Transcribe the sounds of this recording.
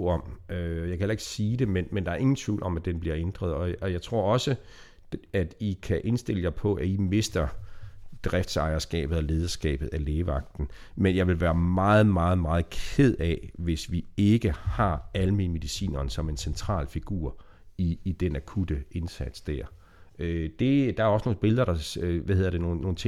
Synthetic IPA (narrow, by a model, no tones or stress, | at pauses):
ɒ̽møjɑkʰæhelɐe̝ɡ̥siːd̥e̝menmend̥ɑ̈æɐe̝ŋn̩t͡sʰʋḭːlʔɒ̽mæd̥enb̥liɐ̰end̥ʁɐð̞ˠɒ̽ɒ̽jɑ̈ɪt͡sʰʁo̝ɐ̰ɒ̽sə | æd̥ikʰæʔe̝nsd̥e̝l̰əjɑ̈ɪpʰɒ̽ʔæime̝sd̥ɐ | d̥ʁɛfd̥sɑ̈ɪɐsɡ̥ɛ̰ːb̥ð̩ˠɒle̝ːð̞ˠɐsɡ̥ɛ̰ːb̥ð̩ˠæleːʋɑ̈ɡ̥̚d̥n̩ | menjɑ̈ɪʋe̝lʋæːɐmɑ̈ːð̞̩ˠmɑ̈ːð̞̩ˠmɑ̈ːð̞̩ˠkʰe̝ð̞̰ˠɛʋe̝sʋie̝ɡ̥əhɑ̈ælminəme̝ðisḭːnɐːnsɒ̽me̝nsent͡sʰʁɑ̰̈ːlfiɡ̥ṵːɐ̰ | iːd̥enækʰud̥əe̝nsæd̥sd̥æɐ̰ | ød̥e̝d̥ɑ̈æɐɒ̽səno̝ːn̩b̥e̝ləðˠɐɾ̥ɑ̈ʋæhe̝ð̰ˠɐd̥eno̝ːn̩nːo̝ːn̩t͡sʰe